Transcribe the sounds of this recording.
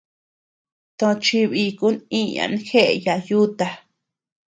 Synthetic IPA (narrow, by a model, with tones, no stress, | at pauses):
t̪õ˧t͡ʃi˧βi˧ku˦nĩ˦ɲã̰˧n˧˦xe˦ʔe˧ja˧ju˦t̪a˧